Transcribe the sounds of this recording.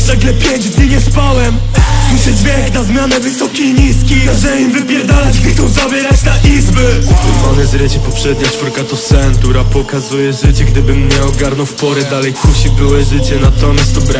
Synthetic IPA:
naɡlɛpʲjeɲd͡ʑd̪ɲiɲɛspawɛm | t̪uɕɛzbʲjɛknazmʲjanɛvɘsɔkʲiɲiskʲiazɛimvɘbʲjɛɾd̪alɛd͡ʑɡd̪ɨkt̪ɔwzabʲjɛɾat͡ɕt̪aʔizbɛt̪uvanɛzɾʲɛt͡ɕɛpɔpʂɛd̪ɲat͡ʂfuɾkat̪ɔsɛnt̪uɾapɔkazujɛʐɘt͡ɕɛɡd̪ɘbɘmɲɛɔɡaɾnɔwfpɔɾɛd̪alɛjfpuɕibɘwɛʐɘt͡ɕɛnat̪ɔmʲjast̪ɔbɾa

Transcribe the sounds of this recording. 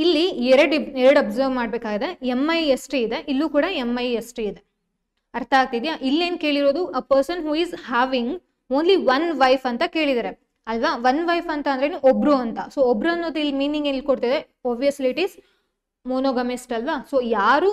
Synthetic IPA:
ilːiɛɾɐɽɛɾɐɽɐbzɐɾʋmaːɽbeːkaːɡid̪e̞emːɐjesʈiid̪e̞ʔilːuːkuːɽɐemːɐjesʈiid̪e̞ | ɐɾt̪ʰɐaːɡ̚t̪id̪jaʔilːe̞ːnke̞ːɭiɾoːd̪uɐpɐɾsɐnɦuːizhaːʋiŋɡ | oːnliʋɐnʋɐjfɐnt̪ɐke̞ːɭid̪aːɾe̞ | ɐlʋaʋɐnʋɐjfɐnt̪ɐːnd̪ɾeːnuʔobɾuɐnt̪ɐsoobɾuɐnːoːd̪uilːimiːniŋɡelːikoɽt̪id̪e | ɔːbʋijɐsliːʈiz | moːnoːɡɐmisʈɐlʋasoːjaːɾuː

